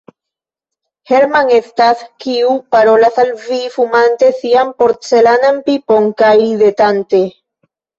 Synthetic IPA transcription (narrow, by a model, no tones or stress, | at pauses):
heɾmaŋest̪aθkiupaɾolaθalvifumãnt̪eθiampoɾt̪selanampipoŋkajiðet̪ant̪e